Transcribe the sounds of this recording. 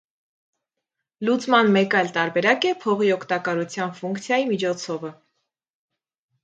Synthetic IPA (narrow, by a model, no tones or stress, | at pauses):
lut͡smɑnmɛkɑjlt̪ɑɾbɛɾɑkɛpʰɔʁiɔkʰt̪ɑkɑɾut͡sʰjɑnfuŋkt͡sʰjɑjimit͡ʃʰɔt͡sʰɔvə